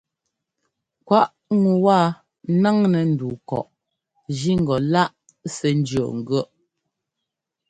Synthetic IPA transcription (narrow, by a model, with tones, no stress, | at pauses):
kwa˦ʔ | ŋu˨waː˦˨˦ | na˦ŋnɛ˨n̩˦˨du˨kɔ̰˨ʔ | d͡ʒi˦ŋ̩˨ɡɔ˨la˦ʔ | sɛ˨n˦d͡ʒjɔ̰˨ŋ̩˨ɡɥɔ˦˨ʔ